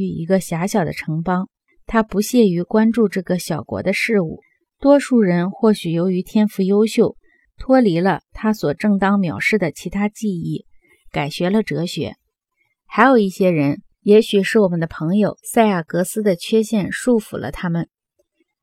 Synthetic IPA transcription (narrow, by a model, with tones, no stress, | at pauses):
y˥˩ḭ˧˥ɡə˧ɕja˧˥ɕjɑ˨˩ʊd̪ə̰˦ʈ͡ʂʰɤ˧˥ŋpɑ˥ŋ | t̪ʰa˥pu˧˥ɕjɛ˥˩y˧˥kwa˥nʈ͡ʂu˥˧ʈ͡ʂɤ˥˩ɡə˩ɕjɑ˨˩ʊkwɔ̰˧˥d̪ə˧ʂɻ̩˥˧ṵ˥˩ | t̪wɔ˥ʂu˥˩ɻə˧˥nxwɔ˥˩ɕy˨˩jo˧˥ʊy˧˥t̪ʰjɛ˥nfu˧˥jo˥ʊɕjo˥˩ʊ | t̪ʰwɔ˥li˧˥lə˧t̪ʰa˥swɔ˨˩ʈ͡ʂɤ˥˩ŋt̪ɑ˥ŋmjɑ˨˩ʊʂɻ̩˥˩d̪ə˩t͡ɕʰi˧˥t̪ʰa˥t͡ɕi˥˧i˥˩ | ka˨˩ɪɕɥɛ˧˥lə˧ʈ͡ʂɤ˧˥ɕɥɛ̰˧˥ | xa˧˥ɪjo˨˩ʊi˥˩ɕjɛ˥ɻə˧˥n | jɛ˧˥ɕy˨˩ʂɻ̩˥˩wɔ˨˩mə˦nd̪ə˧pʰɤ˧˥ŋjo˨˩ʊsa˥˧ɪja˥˩kɤ˧˥sɹ̩˥d̪ə˨t͡ɕʰɥɛ˥ɕjɛ˥˧nʂu˥˩fṵ˨˩lʔə̰˦t̪ʰa˥mə˨n